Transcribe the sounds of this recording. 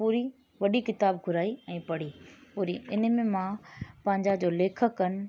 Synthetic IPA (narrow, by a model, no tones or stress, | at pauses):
puːɾi | ʋɐɗikɪt̪aːbɡʱʊɾaːiɛ̃ːpɐɽ̤iːpuːɾiɪnə̆mẽmãpɐ̃ɦɪ̃ɲd͡ʑad͡ʑoːleːkʰəkːənɪ̆